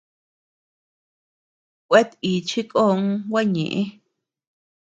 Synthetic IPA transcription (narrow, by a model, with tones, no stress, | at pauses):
kʷe˦t̪i˨t͡ʃʰi˦kʼo˦˧ŋ˦wa˦ɲḛ̃˨ʔẽ˦